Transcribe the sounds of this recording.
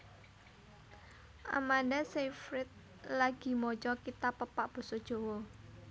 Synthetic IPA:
ʔa̰mandasefɾɪt̪̚ | laɡ̥i̤mɔt͡ʃɔkit̪apːəpaʔb̥ɔ̤sɔd̥ʒ̥o̤wɔ

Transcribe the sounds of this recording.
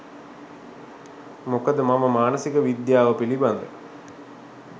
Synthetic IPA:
mokəd̪əmaməmaːnəsikəʋid̪jaːʋəpiliband̪ə

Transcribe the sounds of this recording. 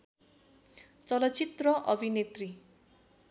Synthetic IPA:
t͡sʌlʌt͡sit̪rʌʔʌbʱinet̪ri

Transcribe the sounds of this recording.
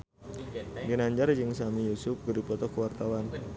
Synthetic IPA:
ɡənaɲd͡ʒard͡ʒɨŋsamijusʊp̚ɡərdipɔt̪ɔkəwart̪awan

